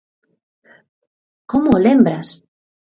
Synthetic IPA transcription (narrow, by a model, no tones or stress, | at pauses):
komʊːlembɾas